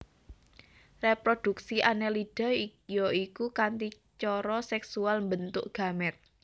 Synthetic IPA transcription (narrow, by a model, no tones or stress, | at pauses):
repɾod̪̥ṳk̚siʔanɛliɖ̥ɔ̤joikukant̪i | t͡ʃɔɾɔsɛksualmbənt̪ʊʔɡ̥ä̤mɛt̪̚